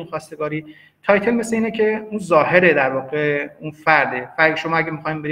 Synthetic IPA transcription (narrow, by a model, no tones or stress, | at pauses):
unxɒːst̪e̞ɡɒːɾiː | t̪ʰɒːjt̪ʰelmeseiːnecʰe̞unzɒːhe̞ɾed̪æɾvɒːɣe̞unfæɾd̪efæɾdʃo̞mɒːæɟæmixɒːjimbe̞ɾi